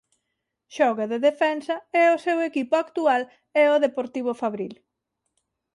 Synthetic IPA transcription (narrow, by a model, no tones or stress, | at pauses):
ʃɔɣaðeðefɛnsɐɛosewekipoakt̪ual | ɛoðepoɾt̪iβ̞ofaβɾil